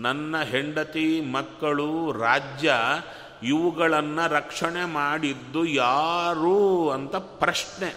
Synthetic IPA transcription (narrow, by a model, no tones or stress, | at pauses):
nɐnːɐɦeɳɖɐt̪imɐkːɐɭuɾaːd͡ʒjɐ | iʋuɡɐɭɐnːɐɾɐkʂɐɳemaːɽid̪ːujaːɾuɐnt̪ɐpɾɐʂɳe